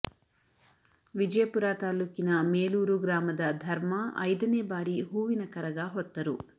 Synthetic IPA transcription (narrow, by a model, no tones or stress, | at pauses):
ʋid͡ʒɐjɐpuɾaːt̪aːlukinɐmeːluːɾuɡɾaːmɐd̪ɐd̪ʱɐɾmɐɐ̰jd̪ɐneːbaːɾiɦuːʋinɐkɐɾɐɡaːɦɔt̪ːɐɾu